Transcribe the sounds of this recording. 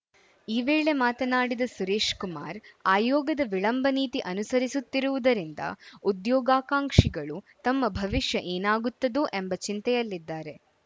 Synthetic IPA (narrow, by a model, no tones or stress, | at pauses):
iːʋe̞ːɭe̞maːt̪ɐnaːɽid̪ɐsuɾeːʂkumaːɾaːjɔːɡɐd̪ɐʋiɭɐmbʱɐniːt̪iʔɐnusɐɾisut̪ːiɾuʋud̪ɐɾind̪ɐ̰ud̪jɔːɡaːkaːŋkʂiɡɐɭut̪ɐmːɐbʱɐʋiʂjɐʔeːnaːɡut̪ːɐd̪uʔe̞mbɐt͡ʃint̪ɛjɐlːid̪ːaːɾe̞